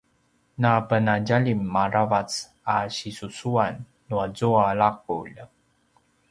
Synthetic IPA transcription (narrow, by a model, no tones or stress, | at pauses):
napənaɟaʎimːaɾavat͡s | aɕisusuanː | uazuaɭak̚ṵʎ